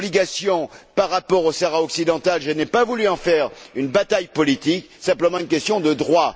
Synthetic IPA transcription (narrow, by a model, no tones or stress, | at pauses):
bliɡasjɔ̃paʁːapɔʁosaʁaɔksid̪ɑ̃t̪alʒənɛpavulyɑ̃fɛʁynbat̪ajpɔlit̪ik | sɛ̃pləmɑ̃ynkʲɛst̪jɔ̃d̪əd̪ʁwa